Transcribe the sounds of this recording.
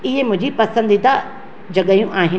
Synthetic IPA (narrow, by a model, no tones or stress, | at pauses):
ɪɦemʊ̃ɦɪ̃d͡ʑipɐsə̃nd̪it̪a | d͡ʑɐɠajũʔaːɦɪ